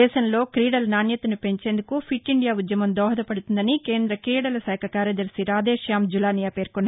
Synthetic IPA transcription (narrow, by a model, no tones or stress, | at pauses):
ɛːʃɐnlo̞ːkɾiːɽɐlnaːnjɐt̪ɐnupe̞ɲt͡ʃe̞ːnd̪ukupʰiʈːiɳɖijaːud̪jɐmɐmd̪ɔːɦɐd̪ɐpɐɽut̪und̪ɐnike̞ːnd̪ɾɐkɾiːɽɐlɐsɛːkʰɐkaːɾjɐd̪ɐɾsiɾaːd̪eːʃjaːmd͡ʒulaːnijaːpe̞ːɾkunːa